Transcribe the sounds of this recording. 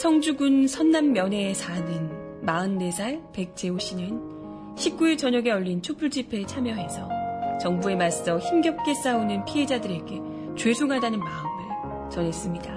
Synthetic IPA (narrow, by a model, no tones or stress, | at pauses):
sʰʌŋd͡ʑuɡunsʰʌnːamːjʌnɦe̞sʰanɯn | maɯnːe̞sʰaɭpe̞k̚t͡ɕ͈e̞oɕ͈ʰinɯn | ɕʰip̚k͈uet͡ɕʌɲʌɡe̞ʌʎːint͡ɕʰopʰuɭd͡ʑipʰet͡ɕʰamjʌɦe̞sʰʌt͡ɕʌŋbue̞mas͈ʌçimɡjʌp̚k͈e̞s͈aonɯnpʰiɦe̞d͡ʑadɯɾe̞ɡe̞ | t͡ɕwe̞sʰoŋɦadanɯnmaɯmɯɭ | t͡ɕʌne̞s͈ɯmɲida